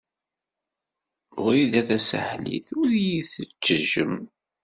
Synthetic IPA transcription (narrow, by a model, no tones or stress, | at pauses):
ʊɾiðæθæsə̰ħlḭθʊɾjiθət͡ʃːəʒə̰m